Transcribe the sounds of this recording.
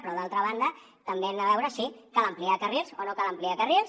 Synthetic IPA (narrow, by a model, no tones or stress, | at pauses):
pɾɔðalˠt̪ɾəβ̞and̪ə | t̪əmbeɛnd̪əβ̞ɛwɾəsikaləmpliakərilˠzonokaləmpliakərilˠs